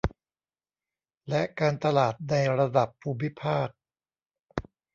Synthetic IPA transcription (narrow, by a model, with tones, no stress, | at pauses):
lɛ˦˥kaː˧nt̪a˧laː˨˩t̪̚na˧jɾa˧da˨˩pʰːuː˧mi˦˥pʰaː˥˩k̚